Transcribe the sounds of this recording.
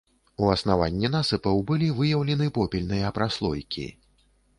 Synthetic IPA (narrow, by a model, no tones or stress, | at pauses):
uɐsnava̰nʲːɛnasɨpɐwbɨlʲivɨjɐwlʲɛnɨpɔpʲɛlʲnɨjɐpɾaslˠɔjkʲḭ